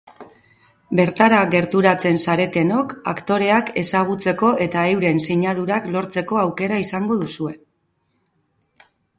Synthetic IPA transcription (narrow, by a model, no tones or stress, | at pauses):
be̞ɾt̪aɾaɣe̞ɾt̪uɾat͡se̞nsaɾe̞t̪e̞no̞ka̰kt̪o̞ɾe̞ake̞saɣ̞ut͡se̞ko̞ʔe̞t̪aewɾe̞nsiɲað̞uɾaklo̞ɾt͡se̞ko̞awke̞ɾaisaŋɡo̞ðusue̞